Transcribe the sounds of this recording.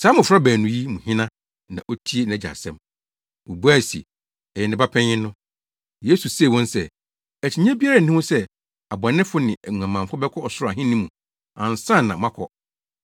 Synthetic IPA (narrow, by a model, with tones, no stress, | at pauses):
saː˨˦mʊ̃˨fɾa˦bæː˨nũ˨ji˦mũ˨hɪ̃˦nã˦ | nã̰˨ʔo˦tʰi˦e˦nã˨æ˨d͡ʑa̰˨sɛ̰̃˦m | o˨bu˦a˦˨sḭ˨ | ɛ˨jɛ˨nɪ̃˨ba˦pʰɛ̃˦ɪ̃˦nːʊ̃˦ | je˦su˨se˦˨wɔ̃˦nsɛ˦ | æ˨t͡ɕʰi˨ɲ˦ɛ̃˦bi˦a˦ɾa˦˨nĩ˦wʊ̃˦sɛ˦ | a˨bã˨nɪ̃˦fʊ˦nɪ̃˨ʔæ˨ũ˨ã˨mã˨fʊ˦bɛ˦kʰɔ˦ɔ˨sʊ˦ɾa˨ɦɪ̃˦nĩ˦mũ˨ | ã˨n˨sã˦˨nːã˨mã˦kʰɔ˦